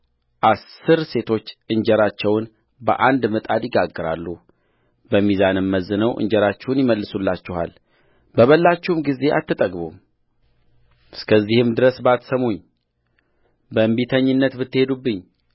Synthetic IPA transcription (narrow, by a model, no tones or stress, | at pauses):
ʔasɨɾse̞t̪ʰo̞t͡ʃːʔɨɲd͡ʒɛɾat͡ʃːɛwn | bə̰ʔand̪mɨt̪ʼad̪jɪɡaɡːɨɾa̰lːu | bəmizanɨmːəzːɨnəwʔɨ̰ɲd͡ʒɛɾat͡ʃːɛwnjɪməlːɨsulːat͡ʃːɛha̰l | bəβəlːat͡ʃːɛhumɡize̞ʔa̰t̪ːɨt̪ʼəɡbum | ɨskʰəzːihɨmd̪ɨɾəsbat̪səmuɲ | bəmbit̪ʰəɲːɨnːət̪bɨt̪ːɨhe̞d̪ubːɨɲː